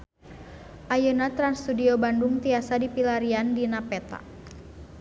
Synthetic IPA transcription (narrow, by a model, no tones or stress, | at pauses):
ʔajunat̪ɾanst̪udiɔbanduŋt̪iasadipilaɾiandinapɛt̪a̰